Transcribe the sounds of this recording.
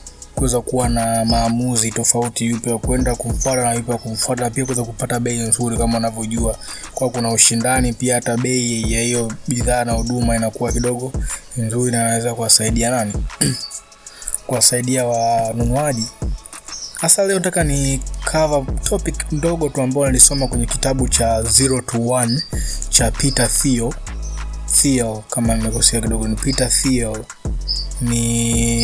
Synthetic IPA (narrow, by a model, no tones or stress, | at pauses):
kuɛzakuwanamaːmuzitɔfautijupɔakuɛndakuɱ̩fwatanaipakuɱ̩fwatanapiakuwɛzakupataɓɛinzuɾikamaunavjɔʄuakwakunauʃindanipiahataɓɛijahijɔɓiðaːnahuɗumainakuwakiɗɔɠɔinzuɾinanawɛzakuwasaiɗianani | kuwasaiɗiawanunuaʄi | hasalɛɔnatakanikʰavatʰɔpikndɔɠɔtuambaɔnalisɔmakwɛɲɛki̥taɓut͡ʃaziɾɔtuwant͡ʃapitafiɔ | fiɛlkamanimɛkɔsiakiɗɔɡɔnipitafiɛl | ni